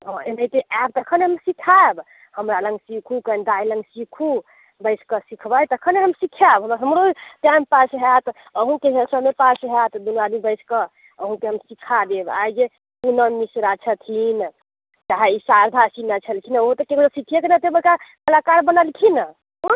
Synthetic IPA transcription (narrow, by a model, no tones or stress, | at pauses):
ɦɔ̃enəjt̪eab̚t̪əkʰəneɦəmsikʰab | həmɾaləŋɡsikʰukənd̪ajləŋɡsikʰu | bəɪskəsikʰbajt̪əkʰəneɦəmsikʰjabɦəmɾaɦəmɾot̪ãmpasɦɛt̪ | əɦũkeɦəsəmepasɦat̪d̪unad̪ibəɪsʰkə | əɦũkeɦəmsikʰad̪eba̰jd͡ʒe | punəmisɾat͡ʃʰət̪ʰin | d͡ʒaɦisaɾd̪ʱasinat͡ʃʰəlkʰinaoɦot̪əkekɾəsikʰijakenɛd̪ebəkakəlakaɾbənəlkʰinə